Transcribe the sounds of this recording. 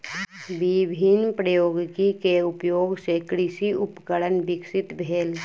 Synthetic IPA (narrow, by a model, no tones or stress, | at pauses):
ʋibʱinpɾəjoːɡkikeʊpjoːɡsekɾɪʃiʊpkəɽənʋɪksɪt̪bʱeːl